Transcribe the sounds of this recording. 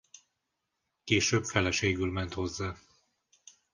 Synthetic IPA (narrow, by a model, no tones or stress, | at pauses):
keːʃøːbfɛlɛʃeːɡylmɛnt̪ho̞zːaː